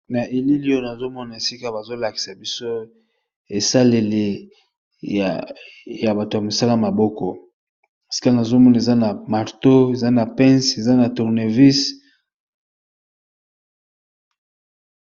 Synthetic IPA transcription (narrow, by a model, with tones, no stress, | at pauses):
na˨ʔe˨li˦li˦jo˦na˨zo˦mɔ˦na˨e˨si˦ka˦ba˨zo˦la˨ki̥˨sa˨bi˦so˦ | e˨sa˦le˨le˨ | ja˨ba˨to˨ja˨mo˨sa˦la˦ma˨bɔ˦kɔ˨ | e˨si̥˦ka˦na˨zo˦mɔ˦na˨e˨za˦na˨ma˨ʁto˦e˨za˦na˨pɛ˦nse˨za˦na˨tu˨ʁne˨vi˦s